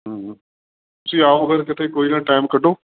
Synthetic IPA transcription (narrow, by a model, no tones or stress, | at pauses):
ɦəːɦ | t̪ʊsĩːaːoːəɡəɾkɪt̪ʰeːkoːiːnãːʈaːɪmkəɖoː